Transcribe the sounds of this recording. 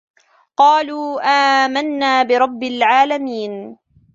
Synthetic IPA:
qɑːluːʔaːmanːaːbɪɾˤɑbːɪlʕaːlamiːn

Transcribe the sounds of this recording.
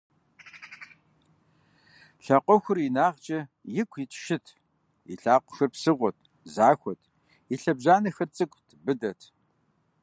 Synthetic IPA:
ɬɐqʷɔxʷʊrinaːʁt͡ʃʼɐjɪkʷʰʼitʰʃɪtʰ | ḭɬaːqʷʊ̥xɐrpsɨʁʷɔt̚ʰʼ | zaːxʷɔtʰ | iɬɐbʑaːnɐxɐrt͡sʼɨkʷʼtʰbɨdɐtʰ

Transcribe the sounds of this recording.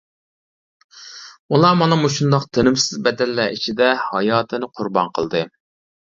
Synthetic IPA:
ulˠɑmɑnɑmuʃund̪ɑqt̪ʰenɪmsɪzbɛd̪ɛlːæʔit͡ʃʰid̪ɛhɑjɑːt̪ʰɨnɨqʰʊɾbɑ̰nqʰə̰lˠd̪ɨ

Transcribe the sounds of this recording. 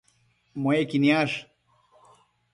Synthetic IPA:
moekinijaːʂ

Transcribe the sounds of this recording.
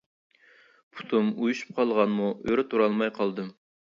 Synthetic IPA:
pʰu̥t̪ʰumujuʃu̥p̚qʰɑlˠʁɑnmuøɾɪt̪ʰuɾɑlˠmɑjqʰɑlˠd̪ɨm

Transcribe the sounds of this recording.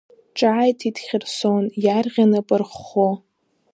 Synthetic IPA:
ʈ͡ʂʼaːjtʰidχʲɪrsonjarʁʲanɨpʼɨrχo

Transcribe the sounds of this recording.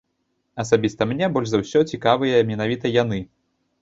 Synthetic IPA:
ɐsabʲist̪ɐmnʲɛbɔlʲʐzɐwsʲɔt͡sʲikavɨjɐmʲɛn̪avʲit̪ɐjanɨ

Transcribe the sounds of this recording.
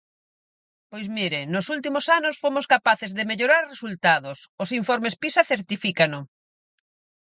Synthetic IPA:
pojzmiɾɪnʊsult̪̬imosanʊsfomʊskapaθɪzðɪmeʎoɾaɾresult̪aðʊsʊsiɱfɔɾmespisaθeɾt̪ifikano

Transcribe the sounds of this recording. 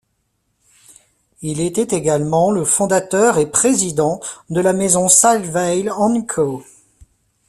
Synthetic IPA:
ilet̪ɛt̪eɡalmɑ̃ləfɔ̃d̪at̪œʁepχezid̪ɑ̃d̪əlamezɔ̃salvɛjlɑ̃nkʰo

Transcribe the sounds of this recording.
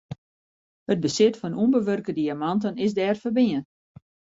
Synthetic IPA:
həd̚bəsɪtfɔnumbəʋørkədiamantənɪsdɛːrfərbiən

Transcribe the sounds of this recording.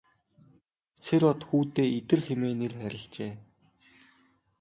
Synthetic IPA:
t͡sʰeɾɔt̪xuːt̪eːet̪ɘ̆rxemeːnerxæɾʲɪ̆ɬt͡ɕeː

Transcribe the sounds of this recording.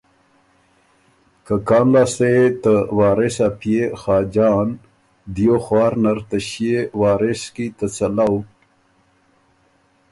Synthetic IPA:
kakɑːnlɑːst̪et̪əwɑːɾesapjexɑːd͡ʒɑːn | d̪ijoxwɑːɾnaɾt̪aɕiewɑːɾɪskit̪ət͡salaw

